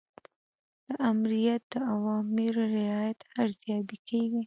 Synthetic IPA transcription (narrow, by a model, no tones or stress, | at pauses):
d̪̥əʔamɾijat̪̚d̪̥əawɑmɪɾoɾɪɑjat̪aɾzjɑbikʰeɡi